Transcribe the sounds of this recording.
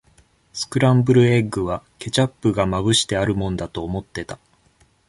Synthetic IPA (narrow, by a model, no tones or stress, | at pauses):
sɨ̥kɯ̟ɾãmbɯ̟ɾɯ̟e̞ɡɯ̟β̞ake̞t͡ɕapːɯ̟ɡamaβɯ̟ɕi̥t̪e̞aɾɯ̟mõ̞nd̪at̪o̞ːmo̞t̪ːe̞t̪a